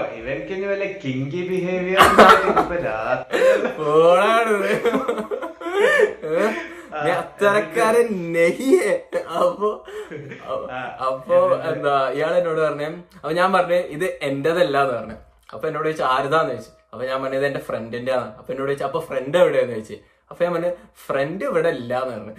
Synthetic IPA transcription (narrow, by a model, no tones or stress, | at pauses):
iʋenkenːɨʋɐlːekiŋɡibiɦeːʋijɐpːɐa | poːɳaːjɳɨnːɐðɨ | eɐt̪ːɐɾɐkːaːɾenehijeɐpːoː | ɐpːoːend̪aijaːɭenːo̞ːɽɨpɐrɐɲːuɐpːoːɲaːnpɐrɐɲːuʔiðɨʔe̞ndeðɐlːaːenːɨpɐrɐɲːṵ | ɐ̰pːoːenːoːɽɨʋeit͡ɕːɨaːɾuðaːenːʋeit͡ɕːɨ̥ | ɐpːoɲaːnpɐnːeɐiðɨendefrendindeanːaɐpːoenːoːɽʋeit͡ɕːɨɐpːoːfrendɐʋiɽenːuʋeit͡ɕːɨ | ɐpːoɲaːnmpɐrɐnːjɨfre̞ndɨɐʋiɽeilːaːenːɨpɐrɐɲːu